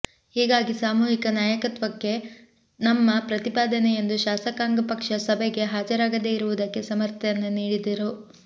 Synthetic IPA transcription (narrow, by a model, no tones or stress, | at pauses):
hiːɡaːɡisaːmuːɦikɐnaːjɐkɐt̪ʋɐkːe̞ | nɐmːɐpɾɐt̪ipaːd̪ɐnejend̪uʃaːsɐkaːŋɡɐpɐkʂɐsɐbʱɛɡe̞ɦaːd͡ʒɐɾaːɡɐd̪eiɾuʋud̪ɐkːe̞sɐmɐɾt̪ʰɐjɐnːuniːɽid̪ɐɾu